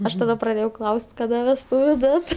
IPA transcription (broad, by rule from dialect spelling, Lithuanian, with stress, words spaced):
ˈɐʃ tɐˈdɐ prɐˈdʲeːjɛʊ ˈklˠɐʊsʲtʲ kɐˈdɐ ʋʲɛsˈtuːʋʲʊ ˈdɐt